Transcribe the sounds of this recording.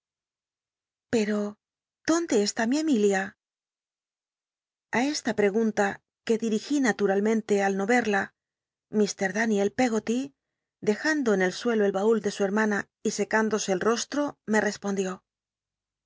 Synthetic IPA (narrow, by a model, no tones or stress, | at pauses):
pe̞ɾo̞ | ð̥o̞nd̪e̞ːst̪amiemilja | ae̞st̪apɾe̞ɣ̞unt̪a | ke̞ðiɾixinat̪uɾalmẽ̞nt̪e̞alno̞βe̞ɾla | mist̪e̞ɾðanje̞lpe̞ɣo̞t̪i | d̪e̞xand̪o̞ene̞lswe̞lo̞e̞lβauld̪e̞sue̞ɾmana | ise̞kand̪o̞se̞ːlro̞st̪ɾo̞me̞re̞spo̞nd̪jo̞